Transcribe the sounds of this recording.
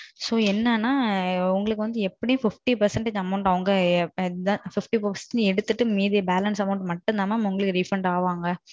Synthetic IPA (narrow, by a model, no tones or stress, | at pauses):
soːɛnːɐnːaːʊŋɡɐɭɯkːɯʋɐnd̪ɯɛpːɐɽɪjʊ̃fɪfʈipɐɾsɐɳʈɐɐmɐʊɳʈɐʋɐŋɡɐ | ãːfɪfʈipːpɐɾsɛnɛɽɯt̪ːɯʈːɯmiːðijɐbaːlɐnsɐmɐʊɳʈmɐʈːɯnd̪aːmaːmʊŋɡɐɭɯkːɯɖifɾɐɳʈaːʋaːŋɡɐ